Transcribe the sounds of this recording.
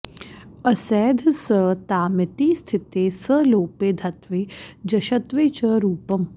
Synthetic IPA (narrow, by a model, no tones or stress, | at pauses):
əsɛːd̪ʱsət̪aːmɪt̪iːst̪ʰɪt̪eːsəloːpeːd̪ʱɐt̪ʋeːd͡ʒɐʃɐt̪ʋeːt͡ʃəɾuːpɐm